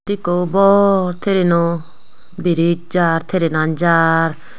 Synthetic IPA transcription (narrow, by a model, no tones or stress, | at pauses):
d̪ikobɔɾt̪ʰeɾeno | biɾit͡ʃd͡ʒaɾt̪ʰeɾenand͡ʒaɾ